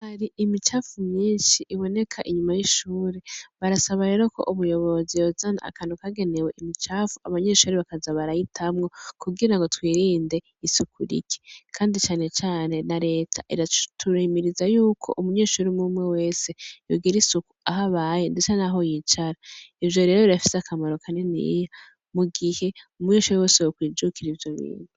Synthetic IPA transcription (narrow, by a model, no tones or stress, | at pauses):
haɾiʔimit͡ʃaːfumɲiːnʃiʔiβo̞ne̞kʰaʔiɲumajiʃuːɾeβaɾasaβaɾe̞ːɾo̞ko̞̰ʔuβujo̞βo̞zijozanaa̰kʰanukaɡe̞ne̞we̞ʔimit͡ʃaːfuaβaɲe̞ːʃuːɾiβakazaβaɾajitʰamŋo̞kuɡiɾaŋɡo̞twiːɾiːnde̞ | isukuɾḭki̥kʰaːndit͡ʃaːne̞t͡ʃaːne̞naɾe̞ːtʰa̰ʔḭɾatʰuɾimiɾizajuːkʰo̞̰ʔumuɲe̞ːʃuɾimumŋe̞we̞ːse̞joɡiɾisukuaɦaβajendet͡ʃanaɦo̞jit͡ʃaɾaivjo̞ɾe̞ːɾo̞iɾafi̥seakʰamaɾo̞kʰanenḭja | muɡihe̞umuɲeːʃuɾiwe̞ːsewukwiːd͡ʒukʰiɾivjo̞βḭːnu